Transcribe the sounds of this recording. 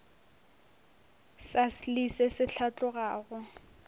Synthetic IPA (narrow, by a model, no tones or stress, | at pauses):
saslisɛsɪɬʰat͡ɬʼʊɣaːɣʊ